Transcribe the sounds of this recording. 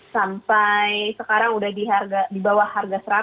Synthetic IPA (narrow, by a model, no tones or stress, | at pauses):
sampajsəkaɾaŋudahdiɦarɡadibawahːarɡasəɾa